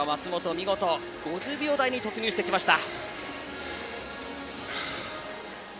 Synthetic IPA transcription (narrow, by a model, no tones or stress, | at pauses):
omat͡sɨmo̞t̪o̞mʲiɡo̞t̪o̞ | ɡ̥o̞ʑɨːbʲo̞ːd̪aiɲ̟it̪o̞t͡sɨɲʲoːɕi̥t̪e̞kʲimaɕi̥t̪a